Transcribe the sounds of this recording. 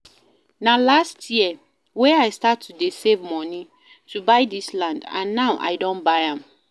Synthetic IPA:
nalastʰjiɛ | wɛ̃aɪstatʰːudesevmɔ̃ni | tʰubaɪdislãndã̰nːaʊʔa̰ɪdõnbaɪãm

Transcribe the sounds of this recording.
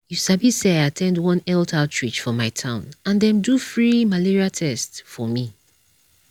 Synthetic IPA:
jusabisɛaatʰɛ̃ndwɔ̃nɛltʰatʰɹit͡ʃfɔmaɪtʰãʊ̃nãndɛ̃mdufɹimaliɹiatʰɛstfɔmi

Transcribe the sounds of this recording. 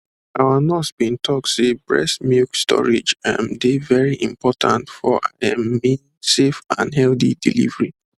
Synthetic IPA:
awanɔsbĩntʰɔk̚sebɹɛ̰smjukstɔ̰ɹed͡ʒamdevɛɹiʔĩmpɔtʰãntfɔʔa̰ãmːĩn | sefã̰nɦɛlθidḭlḭvəɹi

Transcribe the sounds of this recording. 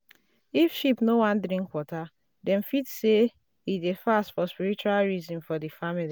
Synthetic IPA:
ifʃipnowãndɾĩŋkwɔta | dɛ̃nfitse | idefastfɔspiɾit͡ʃualɹizɔ̃nfɔdifamili

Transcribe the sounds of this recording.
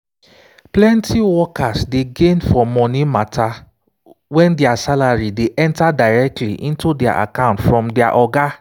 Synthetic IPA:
plɛ̃ntʰiwɔkasdeɡẽnfɔmɔ̃nĩmatʰa | wɛ̃ndiasalaɹideʔɛ̃ntadaɪɾɛk̚tʰliʔĩntudɛa̰ʔa̰kãʊ̃ntfɹɔ̃mdɛaʔɔɡa

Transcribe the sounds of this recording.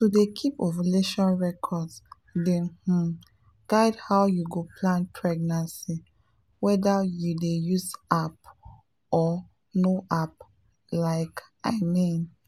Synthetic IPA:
tudekʰipɔvileʃɔ̃nɹɛkʰɔds | dɛ̃h̩ | ɡ̥aɪdhawjuɡopʰlãnpʰɹɛɡnãnsi | wɛdajudejuzap | ɔ | noʔap | laɪk | aɪmĩn

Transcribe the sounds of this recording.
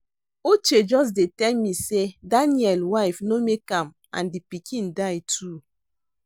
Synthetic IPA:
ot͡ʃed͡ʒɔs̬detɛnmisedaniɛlwaɪfnomekam | a̰ndipikʰĩn̩daɪtʰu

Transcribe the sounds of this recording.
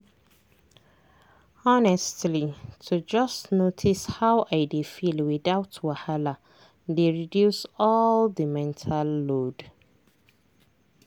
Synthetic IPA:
ɔnɛstlitʰud͡ʒʌstnotʰishawʔaɪdefilwiðaʊtʰwahala | deɹidjusɔldəmɛ̃ntʰalːod

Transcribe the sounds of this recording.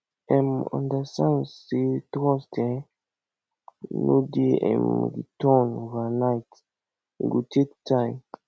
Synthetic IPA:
ɛ̃mɔ̰̃ndastãnsetɾɔstɛ̃ | nodeɛ̰̃mɡḭtɔnvanajt | ɡutʰek̚tãjm

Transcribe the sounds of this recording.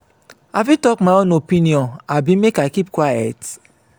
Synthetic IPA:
afitɔkmaɔnopiniɔ̃nabimekakip̚kwaja̰t

